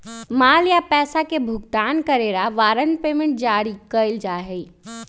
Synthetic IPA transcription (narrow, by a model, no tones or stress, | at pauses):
maːljapɛːsakebʱʊɡ̚t̪aːnkəɾeːɾaʋaːɾənpeːmẽɳʈ̚d͡ʒaːɾikəɪld͡ʒaːɦei